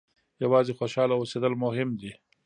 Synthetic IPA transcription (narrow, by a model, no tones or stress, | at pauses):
jawɑːzexoʃɑlaosed̪əlmʊɦɪmd̪i